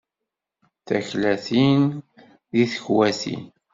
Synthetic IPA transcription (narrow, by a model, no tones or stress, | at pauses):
θæçlæθin | ðiθəçwæθḭn